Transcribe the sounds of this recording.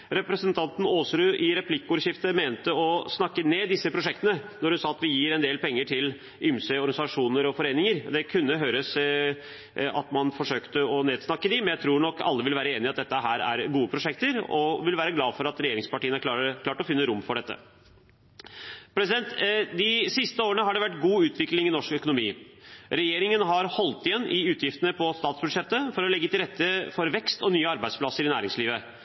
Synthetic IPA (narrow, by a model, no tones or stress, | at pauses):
ɾɛpɾəsənt̪ʰɑnt̪n̩oːsɾʉːʔɪɾɛpʰlɪkəuːɾʂɪft̪əmeːnt̪əɔsnɑkːəneːd̪ɪsːəpʰɾʊʂɛkt̪ənənɔɾhʉnsɑːɑt̪ʋɪjiːɾɛnd̪eːlpʰɛŋːəʈʰɪl | ʔʏmsøɔɾɡɑnɪsɑʂuːnəɾɔfɔɾeːnɪŋəɾd̪ɛkʰʉnːəɦøːɾəs | ɑt̪mɑnfɔʂøːkt̪əɔneːd̪snɑkːəd̪ɪmɛnjæɪt̪ʰɾuːɳɔkʰːɑ̰lːəʋɪlʋæːɾəeːnɪɑt̪̚d̪ɛt̪ːəɦæːɾæ̰ɾɡuːəpʰɾʊʂɛk̚t̪əɾɔʋɪlʋæːɾəɡlɑːfɔɾɑt̪ɾɛjeːɾɪŋspɑʈiːənəækʰlɑːɾəkʰlɑːʈɔfɪnːəɾʊmːfɔɖɛt̪ːə̰ | pʰɾɛsɪd̪ɛnt̪d̪ɪsɪst̪əoːɾənəɦɑɖɛʋæʈːɡuːʉːt̪ʋɪklɪŋɪnɔʂkœkʊnʊmiːɾɛjeːɾɪŋənɦɑɾhɔlt̪ɪjɛnːʔɪʉːt̪ʰjɪft̪ənəpʰɔst̪ɑːt̪sbʉʂɛt̪ːəfɔɾɔlɛɡːət̪ʰɪlɾɛt̪ːəfɔɾʋɛkst̪ɔnyːəɑɾbæɪspʰlɑsəɾɪnæːɾɪŋsliːʋə